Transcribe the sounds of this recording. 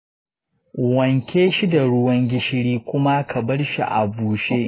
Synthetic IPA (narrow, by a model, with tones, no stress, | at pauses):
ʔʊ˨wɐ˨ŋkʲeː˦ʃi˦da˨ɽʊ˦wɐ˦ŋɡʲɪ˦ʃɪ˦ɽiː˦kʷʊ˦ma˦kʰɐ˨bɐ˦rʃḭ˨ʔa̰˨buː˨ʃeː˦